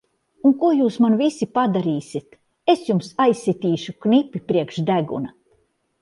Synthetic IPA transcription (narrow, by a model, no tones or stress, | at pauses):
unkuɔjuːsmanvisipad̪aɾiːsʲit̪ | esjumsajsːit̪ʲiːʃuknipʲːipɾiɛkʃd̪æɡṵna